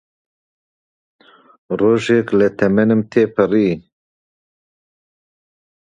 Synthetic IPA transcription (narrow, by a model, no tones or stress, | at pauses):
roːʒeklɛt̪ʰɛmɛnɨmt̪ʰeːpʰɨɾiː